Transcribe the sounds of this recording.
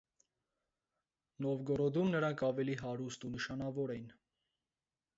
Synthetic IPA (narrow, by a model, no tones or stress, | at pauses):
nɔvɡɔɾɔd̪umnəɾɑŋkʰɑvɛliɦɑɾust̪unəʃɑnɑvɔɾɛjin